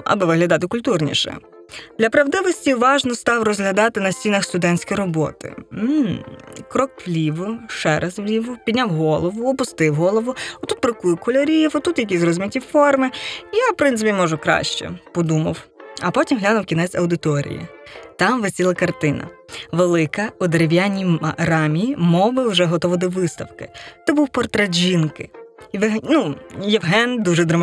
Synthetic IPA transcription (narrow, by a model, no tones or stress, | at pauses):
ɐ̰bɪʋɪɦlʲɐd̪ɑt̪ɪkʊlʲt̪urnʲḭʃɛ̰ | d̪lʲɐpɾɐwd̪ɪʋɔsʲtʲiʋɑʒnɔst̪ɑwrɔzɦlʲɐd̪ɑt̪ɪnɐsʲt͡sʲinɐxst̪ʊd̪ɛnʲt͡sʲkɔjɾɔbɔ̰t̪ɪ̰m̩ | kɾɔkʋlʲiʋʊʃɛɾʔɐzʋlʲiʋʊpʲid̪ʲnʲawɦɔlˠɔʋʊɔpʊst̪ɪwɦɔlˠɔʋʊɔt̪ut̪̚bɾɪkujʊkɔlʲɔɾʲiwɔt̪ut̪jɐk̬ʲizrɔzʲʊmʲitʲifɔrmɪjawpɾɪnsɪpʲimɔʒʊkɾɑ̰ʃt͡ʃɛ̰pɔd̪umɐwɐpɔtʲimɦlʲanɐwkʲinɛsʲɐwd̪ɪt̪ɔɾʲḭjḭt̪ɑmʋɪsʲilˠɐkɐrt̪ɪnɐ̰ʋelˠɪkɐʊd̪eɾeʋʲjanʲiɾɑmʲijimɔwbɪwʒɛɦɔt̪ɔʋɪd̪ɔʋɪst̪ɐwkɪt̪ɔbuwpɔrt̪ɾɛʒʲinkɪ̰ɦnujɛʋɦɛnd̪uʒɛd̪ɾɐm